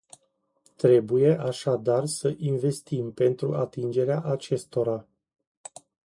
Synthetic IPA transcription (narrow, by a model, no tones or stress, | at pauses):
t̪ɾe̞buje̞ʔaʃad̪arsəʔinve̞st̪impe̞nt̪ɾuʔat̪ind͡ʒe̞ɾeaʔat͡ʃe̞st̪o̞ɾa